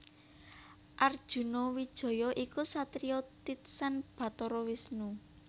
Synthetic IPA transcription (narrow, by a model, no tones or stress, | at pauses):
ʔard̥ʒ̥ṳnowid̥ʒ̥ɔ̤jɔʔikusat̪ɾiot̪it̪̚sanb̥ä̤t̪ɔɾɔwisnu